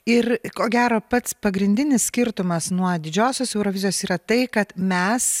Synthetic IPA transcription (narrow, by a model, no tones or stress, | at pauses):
ɪrkoːɡʲæːɾoːpɐt̪spɐɡɾʲɪnʲd̪ʲɪnʲɪssʲkʲɪɾt̪ʊmɐsnuɔd̪ʲɪd͡ʒʲoːsʲoːsɛʊɾoːʋʲɪzʲɪjoːsiːɾɐt̪ɐɪkɐt̪mʲɛs